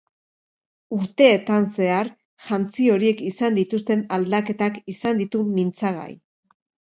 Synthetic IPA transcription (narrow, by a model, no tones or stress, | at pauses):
uɾt̪e̞ːt̪anse̞aɾ | ʝant͡sio̞ɾie̞kisand̪it̪ust̪e̞nald̪ake̞t̪akisand̪it̪umint͡saɣ̞a̰j